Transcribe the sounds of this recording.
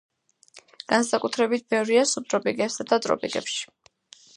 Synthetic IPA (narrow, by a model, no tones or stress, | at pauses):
ɡ̥ansakʼut̪ʰɾɛbit̪̚ʰbɛvɾiasub̚t̪ʼɾɔpʼiɡʼɛpsad̪at̪ʼɾɔ̰pʼḭɡʼɛ̰pʃi̥